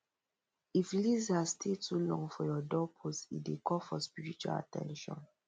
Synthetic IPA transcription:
iflizasstetʰulɔ̃ŋɡfɔjɔdɔpʰosḭdekɔfɔspiɹit͡ʃua̰la̰tʰɛ̰̃nʃɔ̰̃n

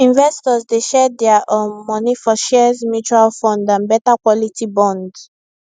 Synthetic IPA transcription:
ĩnvɛstɔzdeʃɛdɛaʔɔmɔnifɔʃɛzmjut͡ʃuɹalfɔ̃ndãnbɛtakwɔlitibɔ̃nd

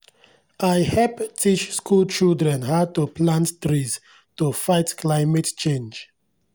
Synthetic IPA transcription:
ajhɛlptʰit͡ʃskʰulˠt͡ʃildɹɛ̃nhaʊtupʰlãnttɾiz | tufaɪtkʰlaɪmɛtt͡ʃẽnd͡ʒ

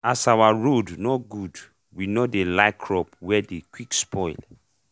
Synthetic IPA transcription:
asawaɹodnɔɡud | winodelakʰɹɔpwɛdekwikspʰɔɪl

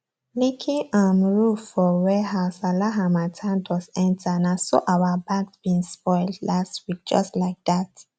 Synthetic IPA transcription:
likʰĩŋãmɹufɔwɛhaʊsalaɦamatʰãntʰwɔsɛ̃ntanaso̰ʔawəbaɡsb̥ĩnspɔɪldlastwik̚d͡ʒɔstlaɪk̚ðat

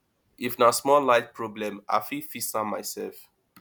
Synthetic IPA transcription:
ifnasmɔlaɪtpʰɹɔblɛ̃ma̰fifisãmaɪsɛlf

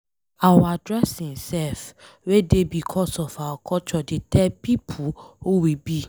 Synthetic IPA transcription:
awaadɾɛsĩsɛf | wedebikʰɔsɔfawakɔt͡ʃɔdetʰɛpipʰuowibi

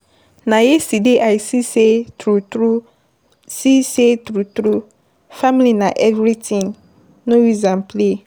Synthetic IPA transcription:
nãjesideʔaisisetɾutɾu | sisetɾutɾu | fãmlinãʔɛvɾitʰĩŋ | nõwizãnpʰle

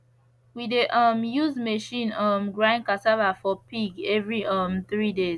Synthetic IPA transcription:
wideʔʌmjuzmeʃĩnʌmɡɹãnkasavafɔpiɡɛvɹiʔʌmθɹide

